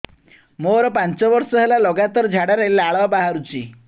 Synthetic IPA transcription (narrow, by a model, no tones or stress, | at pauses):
moɾɔpant͡ʃɔbɔɾsɔɦelalɔɡat̪ɔɾd͡ʒʱaɽaɾelaɭʋabaɦaɾut͡ʃi